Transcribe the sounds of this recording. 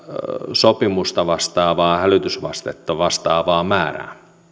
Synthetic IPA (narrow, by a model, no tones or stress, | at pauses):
sopimust̪ɑʋɑst̪ɑːʋɑːhælyt̪ysʋɑst̪et̪ːɑʋɑst̪ɑːʋɑːmæːræ̰ː